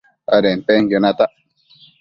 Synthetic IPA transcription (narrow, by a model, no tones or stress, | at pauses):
aɾempeŋjonat̪aʔ